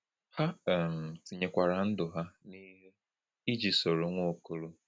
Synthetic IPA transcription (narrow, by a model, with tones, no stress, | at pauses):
ha˦˨m̩˨ti˨ɲe˨kʷa˨ɾa˨n̩˦dʊ˨ɦa˦ni˦ɦe˦ | i˦d͡ʒi˨so˨ɾo˨ŋʷo˦˨ko˦lu˦